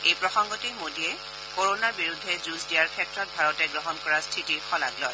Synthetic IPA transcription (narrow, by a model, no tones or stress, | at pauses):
ejpɹɔxɔŋɡɔtimodiɛ | koɹonaɹbiɹudʱːɛzusdijaɹkʰɛtɹɔt̚bʱaɹɔtɛɡɹɔɦɔnkɔɹastʰitiɹxʰɔla̰klɔ̰j